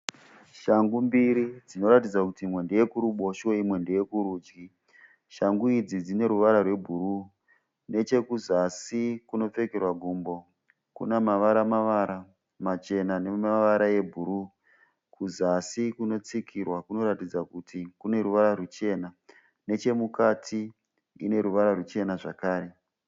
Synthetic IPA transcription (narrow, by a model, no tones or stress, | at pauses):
ʃaŋɡumbiɾid͡zino̞ɾatid͡zakutimwe̞ndeje̞kuɾuɓo̞ʃoimwe̞ndeje̞kuɾuːd͡ʒɡi | ʃaŋɡuid͡zid͡zine̞ɾuʋaɾarwe̞bʱuɾu | ne̞t͡ʃe̞kuzasikuno̞p͡fe̞kerwaɡʱuːmbo̞ | kṵnamaʋaɾamaʋaɾa | mat͡ʃe̞nane̞maʋaɾaje̞bʱuɾu | kʰuzasikuno̞t͡sikʰirwakuno̞ɾatid͡zakutikune̞ɾuʋaɾarut͡ʃe̞na | ne̞t͡ʃe̞mukatʰi | ḭne̞ɾuʋaɾarut͡ʃe̞naʐakaːɾe̞